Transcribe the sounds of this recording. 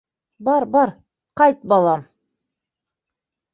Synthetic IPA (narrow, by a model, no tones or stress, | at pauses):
bɑɾbɑɾ | qɑjt̪̚bɑlˠɑm